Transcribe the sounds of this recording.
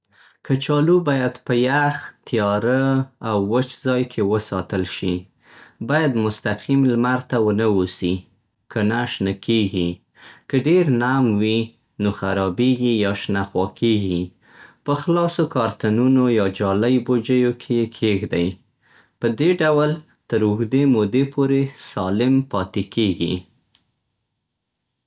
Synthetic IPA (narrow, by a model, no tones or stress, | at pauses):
kʰət͡ʃɑlubɑjad̪pəjaxt̪ijɑɾəawːət͡ʃzɑjkʰewəsɑ̰t̪əlʃi | bɑjad̪mʊst̪aqʰimlmaɾt̪awənəwosi | kʰənaʃnəkʰeɡi | kəɖeɾnamwi | noxaɾɑbeɡijɑʃnaxwɑkʰeɡi | pəxlɑsokɑɾt̪anunojɑd͡ʒɑləjbod͡ʒəjokʰejekʰeɡd̪aj | pəd̪eɖawəl | t̪əɾʊxd̪emod̪epʰoɾesɑlɪmpɑt̪ekeɡḭ